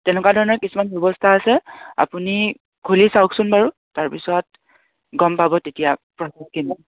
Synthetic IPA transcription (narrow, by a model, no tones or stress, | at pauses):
tɛnɛkwadʱɔɹɔnɔɹkisumanbʱjɔbɔstʰaːsɛa̰puni | kʰulisawksʊnpaɹu | taɹpisɔt̚ | ɡɔmpabɔtetijapɹɔsɔkinɔ